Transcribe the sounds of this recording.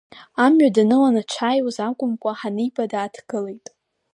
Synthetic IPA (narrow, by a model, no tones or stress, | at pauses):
amɥadanɨlanat͡ʃʷʰajwuzakʷʼʊmkʷʼaħanɨjbadaːtʰɡ̥ɨle̞jtʼ